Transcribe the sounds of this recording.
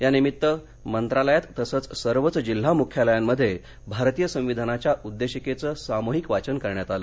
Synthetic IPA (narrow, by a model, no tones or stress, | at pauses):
janimit̪ːə | mənt̪ɾaləjat̪ːəsət͡ssəɾʋət͡sd͡ʑil̤ːamukʰjaləjamːəd̪ʱːje | bʱaɾt̪ijəsə̃w̃ʋid̪ʱanat͡ɕjaʔud̪ːeɕəket͡səːsamoɦikʋat͡ɕənkəɾɳjat̪alə